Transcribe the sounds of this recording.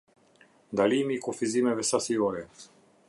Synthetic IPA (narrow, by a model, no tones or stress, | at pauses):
d̪alimikofizimɛvɛsasioɾɛ